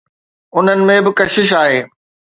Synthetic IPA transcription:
ʊn̤ənɪ̆mẽbɪkɐʃɪʃ̬aːɦeː

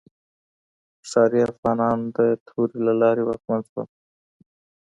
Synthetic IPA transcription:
sɑːɾiafɣɑːnɑːnd̪ət̪ʰuːɾilalɑːɾiwaːkmanswa̰

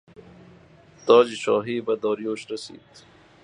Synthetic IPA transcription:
t̪ɑːd͡ʑiɕɑːɦiːbɐd̪ɑːɾjoːɕɾɐsḭːt̪

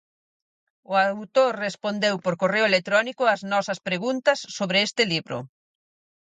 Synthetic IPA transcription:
ʊawt̪oɾrespond̪ewpoɾkoreʊelek̚t̪ɾɔnikʊɐznɔsɐspɾeɣunt̪ɐsːoβɾɪest̪ɪliβɾʊ̰

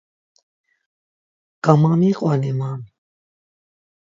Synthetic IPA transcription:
kamamiqʼwanimam

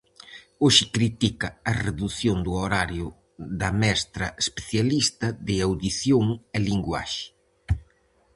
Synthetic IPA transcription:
oʃɪkɾit̪ikɐɐreðuθjond̪uoɾaɾjʊ | ðɐmɛst̪ɾɐespeθjalist̪ɐðɪawðiθjoŋɛliŋɡwa̰ʃɪ̥

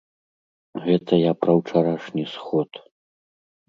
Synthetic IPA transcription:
ɣɛt̪ʰɐjapɾɐwt͡ʂaɾaʂnʲisxɔt̪

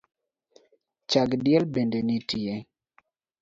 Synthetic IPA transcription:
t͡ʃaɡdɪɛlbendenitie

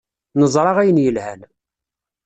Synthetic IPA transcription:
nəzˤɾˤɑʁæjənjəlhæn

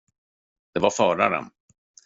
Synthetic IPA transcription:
d̪̥ɛvaɾfœːɾaɾə̰n

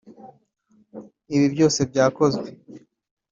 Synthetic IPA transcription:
iβibjo̞ːse̞bɟaːko̞zɡwe̞

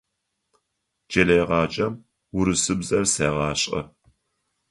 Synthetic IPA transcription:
d͡ʒɐlɐjʁɑːd͡ʒʼɐm | wʊɾɨsɨbzɐrsɐːʁɑːɕʼɐ̰

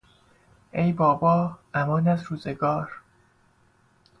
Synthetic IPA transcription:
ʔejbɒːbɒːʔæmɒːnæzɾuːze̞ɡɒːɾ

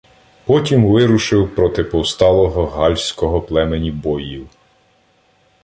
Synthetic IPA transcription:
pɔtʲimʋɪɾʊʃɪwpɾɔt̪ɪpɔwst̪ɑlˠɔɦɔɦɑlʲsʲkɔɦɔplˠɛmenʲibɔjiw

